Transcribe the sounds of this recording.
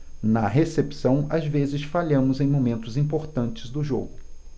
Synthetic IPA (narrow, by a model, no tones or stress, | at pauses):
nɐɦesepsɐ̃w̃azvezɪsfaʎɐ̃mʊzẽj̃momẽnt̪ʊzĩpoɾt̪ɐ̃nt͡ʃɪzd̪ʊʒo̰ɡʊ